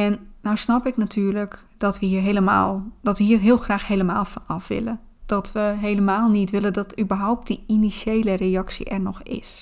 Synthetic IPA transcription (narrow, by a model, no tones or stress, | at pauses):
ɛnːɔwsnɔpɪknatʰyːrlək | dɔtʋəhiərɦeləma̰ːlˠd̥ɔtʋəɦiːərɦiəlˠxraːxheləmaːlˠfɔnɔfʋɪ̰lə | d̥ɔtʋəɦeləmaːlˠnitʋɪlədɔtybəɦɔwp̚diinisjeːləreɑksḭʔɛrnɔxɪ̰s